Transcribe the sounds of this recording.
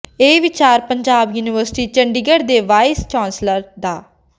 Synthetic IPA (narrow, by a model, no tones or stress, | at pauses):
eːʋɪt͡ʃaːɾpəɲd͡ʒaːbjuːnɪʋəɾsɪ̥ʈiːt͡ʃəɳɖiɡəɽd̪eːʋaːɪst͡ʃãːnsləɾd̪aː